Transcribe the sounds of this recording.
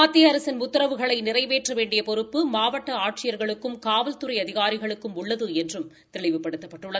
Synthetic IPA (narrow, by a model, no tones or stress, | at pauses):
aːt̪ːijɐɾɐsɐnmʊt̪ːɐɾɐʋɯɣɐɭɐɪnɪrɐɪʋeːʈrɐʋeːɳɖɪjɐpɔɾɯpːɯmaːʋɐʈːɐaːʈt͡ʃɪjɐɾɣɐɭɯkːɯmkaːʋɐlt̪ɯɾɐɪɐðɪɣaːɾɪɣɐɭɯkːɯmʊɭːɐðɯɛndrɯm | t̪ɪɭɪʋɯpːɐɽɯt̪ːɐpːɐʈːɯɭːɐ